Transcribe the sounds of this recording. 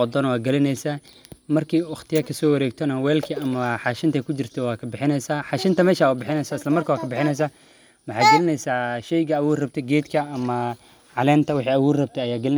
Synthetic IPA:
ɔd̪ɔnwɑːɡɐlɪnɛjsaː | mɐrkʰiːwɑχt̪ʰɪjɐkʰɐsɔːwɐɾɛːɡ̚t̪ʰɔnɐwɛːlkʰiɐmɐħɑːʃɪnt̪ʰɛkʰʊt͡ʃɪrt̪ʰɔwɑːkʰɐbɪħɪnɛjsaːħɑːʃɪnt̪ʰɐmɛːʃaːʊbɪħɪnɛjsaːɪslɐmɐrkʰɐwaːkʰɐbɪħɪnɛjs̬aː | wɑħɑːɡɐlɪnɛjsaːʃɛjɡɐːwuːɾrɐb̚t̪ʰɛɡɛːt̪kʰɐɐmɐ | ʕɑlɛːnt̪ʰɐwɑħiːɐwuːɾrɐb̚t̪ʰɛɐjaːɡɐlɪn

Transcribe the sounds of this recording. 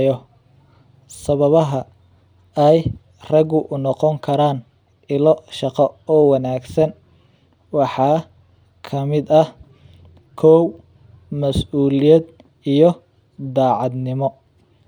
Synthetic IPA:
jɔ | sɐβɐβɐɦɐ | ɛj | rɐɡʊʔʊnɔqɔŋkʰɐɾaːn | ɪlɔʃɑqɐɔːwɑnaːɡsɐn | wɑħɑː | kʰɐmɪd̪ɐ | kʰɔw | mɐsuːlɪjɛd̪ | ijɔ | d̪aːʕɑd̪nɪmɔ

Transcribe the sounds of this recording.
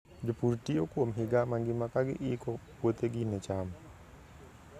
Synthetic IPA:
d͡ʒopuɾtiokwomɦɪɡamaŋɡɪmakaɡɪ̰ʔɪkɔ | wot̪eɡɪnɛt͡ʃam

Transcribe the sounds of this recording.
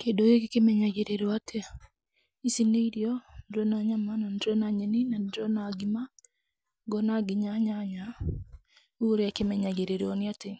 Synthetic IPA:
kedojekekemɛɲaɣeɾeɾɔatʰe | isineiɾjɔndɔnaɲamanandɾɔnaɲɛninandɾɔnaɡima | ɡɔnaɡiɲaɲaɲa | uɾeakemɛɲaɣeɾeɾɔneate

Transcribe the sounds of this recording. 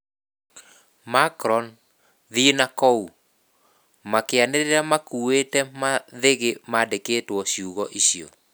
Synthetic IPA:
makɾɔn | ðinakɔu | makeaneɾeɾamakuetɛmaðeɣemadeketwɔɕiuɣɔʔiɕiɔ̰

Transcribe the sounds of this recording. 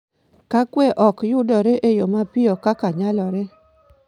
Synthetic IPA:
kakwɛʔɔkjʊdɔɾeʔejomapɪjɔkakaɲalɔɾɛ

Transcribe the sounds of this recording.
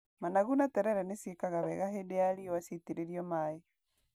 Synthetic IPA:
manaɣunatɛɾɛɾɛnesiekaɣaβɛɣaɦedeaɾiwasiteɾeɾiɔmae

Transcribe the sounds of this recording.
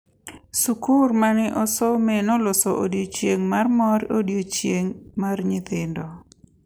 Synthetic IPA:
sukuɾmanɪʔɔsɔmenɔlʊsɔʔodjot͡ʃjeŋmarmɔɾodjot͡ʃjeŋmarɲɪt̪ɪndɔ

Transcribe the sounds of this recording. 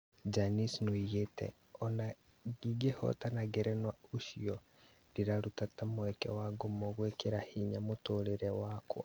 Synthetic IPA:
d͡ʒanisnoiɣetɛ̰ | ɔna | ɡiɡehɔ̰tanaɡɛɾɛnwaoʃiɔ | diɾaɾutatamoɛkɛ̰waɡomɔɣwekeɾahiɲamotoːɾeɾɛwaːkwa̰

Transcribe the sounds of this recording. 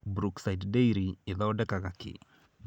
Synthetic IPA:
bɾuksajtdeiɾiɪðɔɖɛkakakɪ̰

